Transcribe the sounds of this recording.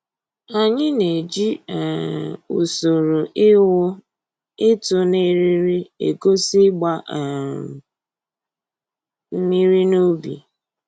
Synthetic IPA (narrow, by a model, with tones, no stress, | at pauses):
a˨ɲɪ˦ne˨d͡ʒi˦˨ | u˨so˨ɾu˨˦ | ɪ˦tʊ˨ne˦ɾi˦ɾi˦ḛ˨ko˦si˦ɡ͡ba˦˨ | m̩˦mi˦ɾi˦no˦bḭ˨